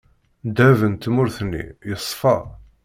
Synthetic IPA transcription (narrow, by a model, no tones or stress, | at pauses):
d̪ævənt̪mʊɾθnːḭjəsˤːfɑ